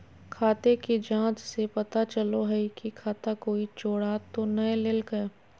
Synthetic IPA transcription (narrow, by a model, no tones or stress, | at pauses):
kʰaːt̪ekid͡ʒãːt͡ʃsepɐt̪at͡ʃəloɦɛikikʰaːt̪akoːit͡ʃoːɽat̪onɐẽleːlɡɐ